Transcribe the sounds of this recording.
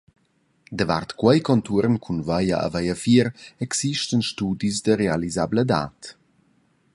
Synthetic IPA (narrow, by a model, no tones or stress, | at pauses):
d̪əva̰rtkwɛjkɔntuɾnkʰunvajaa̰vajafiɾɛksiʃtənʃtuːdisdəɾealizabləda̰ːt